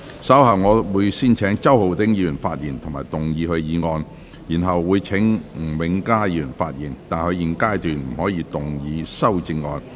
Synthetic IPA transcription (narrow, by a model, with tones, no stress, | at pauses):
sɐ˨˥whɐ˨˩wŋɔː˨˧wuː˨˧jsiː˥nt͡ʃʰɛː˨˥ŋt͡sɐ˥who˨˩wt̪ɪ˨˥ŋjiː˧y˨˩nfaː˧t̚jiː˨˩nt̪ʰʊ˨ŋmaː˨˩jt̪ʊ˨˩ŋjiː˨˧hɵ˧ɥjiː˨˧ŋɔː˧n | jiː˨˩nɦɐ˨wːuː˨˧jt͡ʃʰɪ˨˥ŋŋ̩˨˩wɪ˨˧˥ŋkaː˥jiː˧jy˨˩nfaː˧t̚jiː˨˩nt̪aː˨nhɵ˨˧ɥji˨˩nkaː˥jt̪yː˨nm̩˨˩hɔː˨˥jiː˧t̪ʊ˨ŋjiː˨˧sɐ˥wt͡sɪ˧ŋːɔː˧n